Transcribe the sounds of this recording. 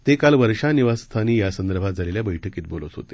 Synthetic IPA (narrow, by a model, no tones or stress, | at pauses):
t̪ekalʋəɾʂaniʋast̪ʰaniːjasənd̪əɾbʱat̪d͡zʱaleljabəjʈʰəkiːt̪̚bolət̪ɦo̰t̪e